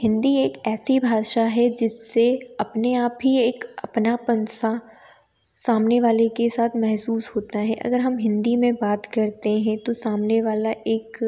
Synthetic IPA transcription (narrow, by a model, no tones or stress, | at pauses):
hɪ̃nd̪ieːkɛːsibʱaːʃaɦɛd͡ʒɪsːeɐpneaːpɦieːkɐpnapɐ̃nsa | saːmneʋaːlekesaːt̪ʰmɛɦsuːsɦoːt̪aɦɛ̃ʔɐ̰ɡəɾɦɐmɦɪ̃nd̪imẽbaːt̪kɐɾt̪eɦɛ̃t̪osaːmneʋaːlaʔeːk